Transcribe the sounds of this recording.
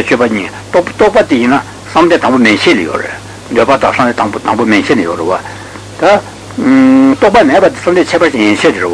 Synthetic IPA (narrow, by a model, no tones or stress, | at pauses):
et͡ɕʰøpaɲiː | t̪t̪ɔʔpat̪ijina | samd̪et̪aŋpomeɕʰeːlejo̰rḛʔ | nd̪øːpat̪a̰ŋsamet̪t̪ɑŋpomeɕʰenejorewa | t̪a | t̪ɔʔpamepat̪isamnt̪et͡ɕʰɛːpat͡ɕijeɕʰet̪irewa